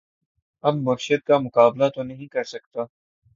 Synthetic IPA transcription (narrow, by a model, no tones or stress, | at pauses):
ɐbmɐɾʃəd̪̚kamʊkaːblat̪onɐɦĩkɐɾsɐk̚t̪aː